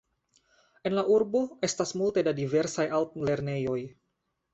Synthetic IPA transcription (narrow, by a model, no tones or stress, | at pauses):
ʔɛnlaʔurboʔest̪asmult̪edadivɛrsajalt̪̚lɛrnejoj